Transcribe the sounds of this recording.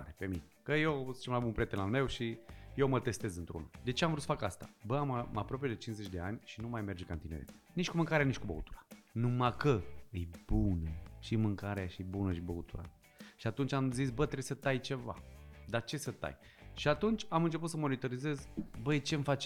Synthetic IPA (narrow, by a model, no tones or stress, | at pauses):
ɾepe̞minekəjewzi̥t͡ʃemlabunpɾʲet̪enalme̞wʃijewmət̪e̞st̪e̞zɨnt̪ɾoṵnad̪e̞t͡ʃe̞amvɾusə̥fakast̪ḁbəammapɾo̞p̬ejed̪et͡ʃinze̞t͡ʃʲd̪e̞anʲʃinumajme̞rd͡ʒkant̪ineɾḛ | nit͡ʃʲkumɨŋkaɾeanit͡ʃkubə̰ṵt̪u̥ɾḁnumakəɨjbunəʃimɨŋkaɾeaʃiijbunəʃibəut̪ṵɾa̰ | ʃiat̪unt͡ʃʲamzisbət̪ɾebsət̪ajt͡ʃe̞va̰d̪at͡ʃe̞sət̪a̰jʃiat̪unt͡ʃʲamɨnt͡ʃe̞put̪səmo̞nit̪o̞ɾize̞zbət͡ʃe̞mfat͡ʃ